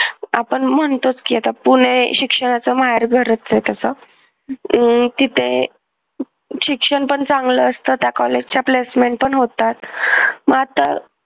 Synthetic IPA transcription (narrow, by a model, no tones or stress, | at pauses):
apəɳm̤əɳt̪ot͡skiat̪apuɽ̃eɕikʂəɽ̃at͡səməɦaɾɡʱəɾət͡st͡set̪əsə | t̪it̪ʰe | ɕikʂəɳpəɳt͡saŋɡləːst̪əːt̪jakɔled͡ʑt͡ɕaplesmeɳʈ̚pəɳɦot̪at̪məɡat̪ə̰